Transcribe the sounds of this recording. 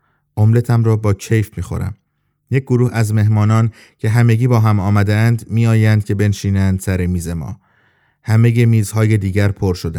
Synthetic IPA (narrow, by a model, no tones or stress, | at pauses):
ʔomle̞t̪ʰæmɾɒːbɒːcʰe̞jfmiːxo̞̰ɾæ̰m | jec̚ʰɡoɾuːhæzme̞ɦmɒːnɒːn | cʰe̞ɦæmeɟiːbɒːɦæmɒːmæd̪eænd̪miːɒːjænd̪̚cʲʰe̞be̞nʃiːnænd̪̥sæɾemiːze̞mɒ̰ː | hæme̞je̞miːzhɒːje̞d̪iːɟæɾpʰoɾʃod̪æ̰n